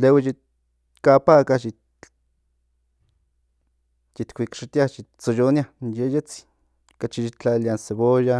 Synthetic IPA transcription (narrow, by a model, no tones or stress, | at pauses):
leweji | kapakaʃi | t͡ʃit̪kʷikʃit̪iaʃit͡sojonjajejet͡s | kat͡ʃiʃit͡ɬaljanseβoja